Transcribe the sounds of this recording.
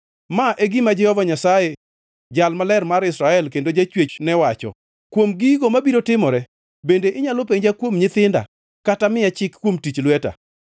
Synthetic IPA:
maʔeɡɪmad͡ʒɛhɔvaɲasaje | d͡ʒalmalɛrmaɾɪsɾaɛlkendod͡ʒat͡ʃwet͡ʃnɛwat͡ʃɔ̰ | kwomɡiɡomabiɾotɪmɔɾɛ | bendeʔɪɲalopeɲd͡ʒakwomɲɪt̪ɪnda̰ | katamɪjat͡ʃɪkkːwomtit͡ʃlwɛta̰

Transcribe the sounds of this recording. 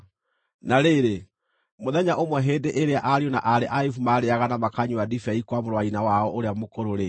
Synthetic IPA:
naɾeɾe | moðɛɲaʔomwɛɦeːndeʔeɾeaʔaɾionaʔaɾeʔaifumaːɾeaɣanamakaɲuwadifɛikwamoɾwainawaɔʔoɾeamokoɾoɾe

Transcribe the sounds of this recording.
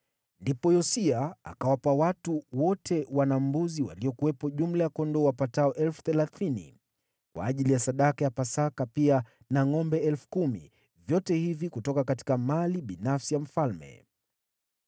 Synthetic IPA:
ndipɔjɔsiaa̰kawapawatuwɔtʰɛwanam̩buziwa̰liɔkuwɛpɔʄum̩lajakɔndɔwapataɔʔɛlfu̥θɛlaθinḭ | kwa̰ːʄilijasaɗakajapasakapia | naŋɔmbɛɛlfu̥kumḭ | vjɔtɛhivikutɔkakati̥kamaliɓinafsijam̩falmɛ̰

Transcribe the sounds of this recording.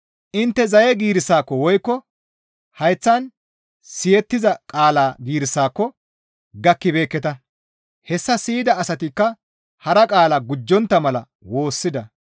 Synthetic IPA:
ʔɪnt̪ːɛzɐjɛɡiːɾɪsːaːkːɔwɔjkːɔ | hɐjt͡sːɐn | sɪjɛt̪ːɪzɐkʼaːlaːɡiːɾɪsːaːkːɔ | ɡɐkːɪbe̞ːkːɛt̪ɐ | hɛsːɐsiːd̪ɐːsɐt̪ɪkːɐ | hɐɾɐkʼaːlaːɡʊd͡ʒːɔnt̪ːɐmɐlɐ̰ | wo̞ːsːɪd̪ɐ

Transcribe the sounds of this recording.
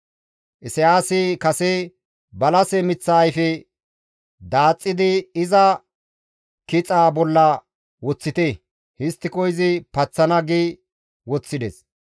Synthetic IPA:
ʔɪsɛjaːsɪkɐsɛ | bɐlɐsɛmɪt͡sːɐːjfɛ | d̪aːt͡sʼːɪd̪ɪɪzɐ | kɪt͡sʼaːbɔlːɐ | wɔt͡sːɪt̪ɛ | hɪst̪ːɪkɔjzɪpɐt͡sːɐnɐɡi | wɔt͡sːɪd̪ɛ̰s

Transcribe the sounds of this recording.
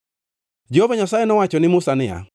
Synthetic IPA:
d͡ʒehovaɲasajenɔwat͡ʃɔnɪmʊsanɪja̰

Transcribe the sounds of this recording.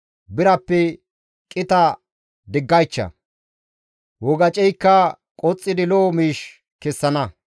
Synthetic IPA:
bɪɾɐpːɛ | kʼɪt̪ɐ | d̪ɪɡːɐjt͡ʃːɐ̰ | wɔɡɐt͡ʃʼɛjkːɐ | kʼɔt͡sʼːɪd̪ɪloːmiːʃ | kɛsːɐnɐ

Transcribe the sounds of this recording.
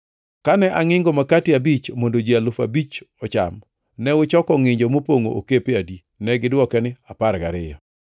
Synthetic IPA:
kanɛʔaŋɪŋɡomakatɪabit͡ʃmondod͡ʒialʊfa̰bit͡ʃɔt͡ʃa̰m | nɛwʊt͡ʃɔkɔŋɪɲd͡ʒomopoŋo̰ʔo̰kepeadi | nɛɡɪdwɔkɛnɪapaɾɡa̰ɾɪjɔ

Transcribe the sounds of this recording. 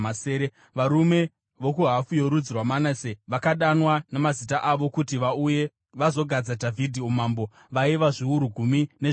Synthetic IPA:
aseːɾe | ʋaɾume̞ | ʋokuɦafujo̞ɾud͡zirwamanaseʋakaɗanwanemazitaʔaʋo̞kutiʋauje̞ | ʋazo̞ɡʱad͡zadʱavʱidʱiumaːmbo̞ | ʋaiʋaʐiuɾuɡʱumine

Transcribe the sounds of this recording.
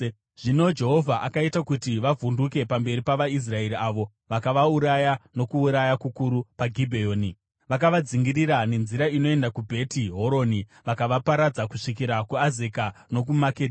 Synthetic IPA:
ʐ̥ino̞d͡ʒe̞ɦo̞vʱaʔakaitakutiʋavʱunduke̞pambe̞ɾipaʋais̬rae̞ɾiʔaʋo̞ | ʋakaʋauɾajano̞kuːɾajakukuɾupaɡʱibʱejoːni | ʋak̬aʋad͡ziŋɡiriɾane̞nziɾaino̞e̞ndakubʱe̞tiɦo̞ɾo̞ːniʋakaʋapaɾad͡zakuʂik̬iɾakuaze̞kano̞k̬umaked

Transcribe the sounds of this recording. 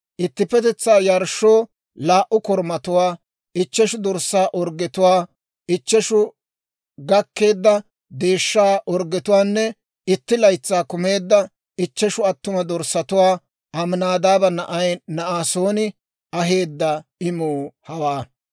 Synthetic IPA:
ʔɪt̪ːɪpɛt̪ɛt͡sːaːjɐɾʃoː | laːʔʊkɔɾmɐt̪ʊwaː | ɪt͡ʃːɛʃʊd̪ɔɾsːaːʔɔɾɡɛt̪ʊwaː | ɪt͡ʃːɛʃʊ | ɡɐkːe̞ːd̪ːɐ | d̪e̞ːʃːaːʔɔɾɡɛt̪ʊwaːnːɛ | ɪt̪ːɪlɐjt͡sːaːkʊme̞ːd̪ːɐ | ɪt͡ʃːɛʃʊɐt̪ːʊmɐd̪ɔɾsɐt̪ʊwaː | ʔɐmnaːd̪aːbɐnɐʔɐjnɐʔaːsoːnɪ | ɐɦe̞ːd̪ːɐɪmuːhɐwaː

